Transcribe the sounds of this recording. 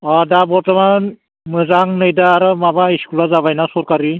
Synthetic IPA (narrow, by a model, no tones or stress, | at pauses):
adabɔɾtaman | mɯzaŋnɯjdaːɾɯmabaiskulazaβajnasɔɾkaɾi